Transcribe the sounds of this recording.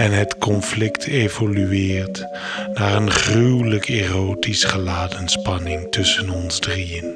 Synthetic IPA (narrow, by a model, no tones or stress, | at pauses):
ɛnɦətkɔnflɪktʰevolyɪːɹt | naːrənχrywləkerowtisχəlaːdənspɑnɪŋtɵsənɔnzdrijən